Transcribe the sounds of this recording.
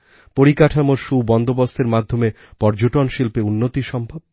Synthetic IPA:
poɾikaʈʰamoɾʃubɔnd̪obost̪ʰeɾmad̪ʱːome | pɔɾd͡ʑoʈonʃilpeunːot̪iʃɔmbʱob̚

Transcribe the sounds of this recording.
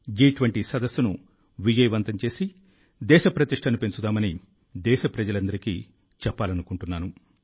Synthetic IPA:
d͡ʒiːʈʋɐɳʈisɐd̪ɐsːunu | ʋid͡ʒɐjʋɐnt̪ɐmt͡ʃe̞ːsi | d̪ɛːʃɐpɾɐt̪iʂʈʰɐnupe̞nt͡ʃud̪aːmɐni | d̪ɛːʃɐpɾɐd͡ʒɐlɐnd̪ɐɾikḭː | t͡ʃɛpːaːlɐnukuɳʈunːaːnu

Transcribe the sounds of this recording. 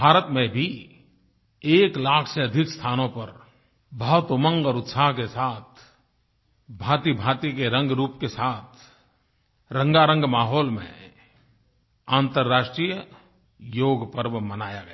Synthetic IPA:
bʱaːɾət̪mẽbʱi | eːklaːkʰseɐd̪ʱɪkst̪ʰaːnõpɐɾ | bʱat̪ʊmə̃ŋɡɔːɾʊt̪saːɦkesaːt̪ʰ | bʱaːt̪ibʱaːt̪ikeɾə̃ŋɡɾuːpkesaːt̪ʰ | ɾə̃ŋɡaɾə̃ŋɡmaːɦɔːlmḛ̃ | ãːnt̪əɾːaːʃʈɾij | joːɡpəɾʋmənaːjaɡɐa

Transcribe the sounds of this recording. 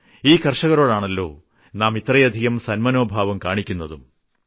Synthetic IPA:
iːkɐrʂɐɣɐɾo̞ːɽaːɳɐlːo̞̰ː | naːmit̪rɐjɐd̪ʱiɣɐmsɐnmɐno̞ːbʱaːʋɐmkaːɳikʲːunːɐðum

